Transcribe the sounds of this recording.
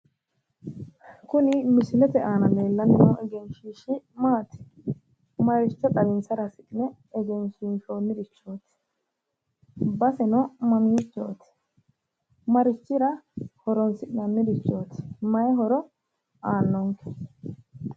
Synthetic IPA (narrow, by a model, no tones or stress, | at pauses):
kʊnɪmɪsɪlɛt̪ɛʔaːnɐneːlːɐnɪnɔɛɡɛnʃiːʃɪmaːt̪ɪ̥ | mɐɾɪt͡ʃːɔt̪ʼɐɾɪnsɐɾɐsɪkʼɪnɛː | ɡɛnʃɪnʃoːnːɪd̪ɪt͡ʃːoːt̪ɪ̥ | bɐsɛnɔmɐmiːt͡ʃːo̰ːt̪ɪ̥ | mɐɾɪt͡ʃːɪɾɐhɔɾɔnsɪʔnɐnːɪd̪ɪt͡ʃːoːt̪ɪ̥mɐjɛɦɔɾɔ | aːnːɔŋkʰɛ̥